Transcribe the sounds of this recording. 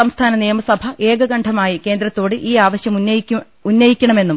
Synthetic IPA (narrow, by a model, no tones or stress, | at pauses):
sɐmst̪ʰaːnɐnijɐmɐsɐbʱɐʔeːɡɐɡɐɳɖʰʱɐmaːjike̞ːnd̪ɾɐt̪ːo̞ːɽɨʔiːaːʋɐɕjɐmu | unːɐjikʲːɐɳɐme̞nːum